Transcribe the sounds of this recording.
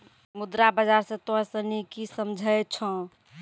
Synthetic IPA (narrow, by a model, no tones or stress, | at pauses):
mud̪ɾabəd͡ʒaɾsẽt̪osənikisəmd͡ʒʱəjt͡ʃʰə̃